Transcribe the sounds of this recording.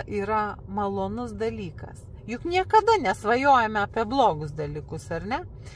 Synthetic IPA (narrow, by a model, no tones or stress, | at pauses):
ʔiːɾɐmɐlˠoːnʊsd̪ɐlʲiːkɐ̰sjʊknʲiɛkɐd̪ɐnʲɛsʋɐjoːjɛmʲɛɐːpʲiɛblˠoːɡʊsd̪ɐlʲiːkʊsɐɾʲnʲɛ